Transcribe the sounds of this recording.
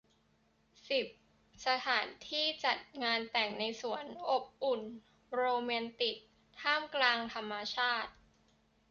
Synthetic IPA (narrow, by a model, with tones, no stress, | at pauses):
si˨˩p̚ | sa˧t̪ʰaː˩˦nt̪ʰiː˥˩t͡ɕa˨˩t̪̚ŋaː˧nt̪ɛ˨˩ŋna˧jsu˨˩˦ənʔo˨˩p̚ʔu˨˩n | ɾoː˧mɛː˧nt̪i˨˩k̚ | t̪ʰaː˥˩mklaː˧ŋt̪ʰa˧mːa˧t͡ɕʰaː˥˩t̪̚